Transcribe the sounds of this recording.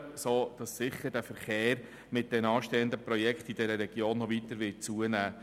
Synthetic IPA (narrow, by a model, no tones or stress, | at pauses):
soːd̥ɑsːɪχəɾd̥æfəɾχeːɾ | mɪt̚d̥ɛnɑːʃtɛːəndəprɔjɛkχt̪id̥ɛɾəɾɛɡ̥joːnːɔʋitəɾʋɪt̚t͡suənæː